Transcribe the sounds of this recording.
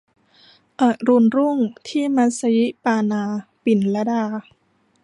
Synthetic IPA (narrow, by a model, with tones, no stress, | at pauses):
ʔa˨˩ɾu˧nɾu˥˩ŋt̪ʰiː˥˩ma˦˥sa˧ji˦˥paː˧naː˧pi˨˩nla˦˥daː˧